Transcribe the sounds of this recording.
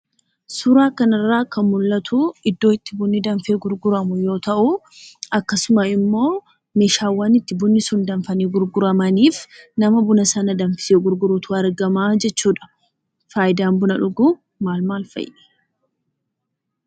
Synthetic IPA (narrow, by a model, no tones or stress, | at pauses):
sʊɾaːkɐnɪrːaːkɐnmʊlːɐt̪ʰʊɪd̪ːoːɪt̪ːɪbʊnːɪd̪ɐnfeːɡʊɾɡʊɾɐmʊjo̞ːt̪ɐʔʊ | ɐkːɐsʊmɐɪmːo̞ː | meːʃaːwːaːnɪt̪ːɪbʊnːɪsʊnd̪ɐɱfɐniːɡʊɾɡʊɾɐmɐniːfnɐmɐbʊnɐsɐnɐd̪ɐnfɪ̥seːɡʊɾɡʊɾut̪ʊɐɾɡɐmaːd͡ʒɛt͡ʃːuːᶑɐ̥ | faːjɪd̪aːmbʊnɐᶑʊɡu | maːlmaːlfɐ̰jʔɛ̥